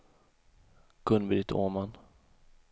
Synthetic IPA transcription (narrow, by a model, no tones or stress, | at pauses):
ɡ̥ɵnbɪd̪ɪt̪ʰo̰ːman